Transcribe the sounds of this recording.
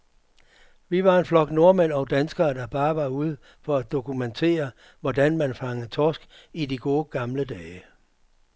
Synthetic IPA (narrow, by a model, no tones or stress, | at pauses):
ʋiʋɑ̈e̝nflɒ̽ɡ̥no̝ɐmen̰ɒ̽ʊd̥ænsɡ̥ɐːd̥ɑ̈b̥ɑ̈ːʋɑ̈uð̞̰ˠ | fɒ̽æd̥o̝kument͡sʰe̝̰ːɐ | ʋɒd̥ænmænfɑ̈ŋəð̩ˠt͡sʰɒːsɡ̥ | idiɡ̥o̝ːɡ̥ɑ̈mləd̥ɛː